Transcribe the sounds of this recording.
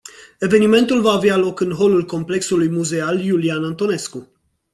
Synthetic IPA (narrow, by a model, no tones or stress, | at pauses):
e̞ve̞nime̞nt̪ulvaːvealo̞kɨnɦo̞lulko̞mple̞ksulujmuze̞aljulianant̪o̞ne̞sku